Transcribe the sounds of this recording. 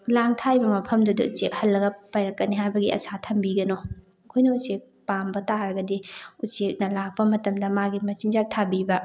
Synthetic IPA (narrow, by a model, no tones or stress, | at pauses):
laŋtʰajbɐmɐpʰɐmdudɐ̰ṵt͡ʃek̚hɐlːɐɡɐpajɾɐkːɐniɦajbɐɡiɐ̰satʰɐmbiɡɐno | ɐkʰojnɐut͡ʃek̚pambɐtaɾɐɡɐdiut͡ʃek̚nɐlak̚pɐmɐtɐmdɐmaɡimɐt͡ʃiŋd͡ʒak̚tʰabibɐ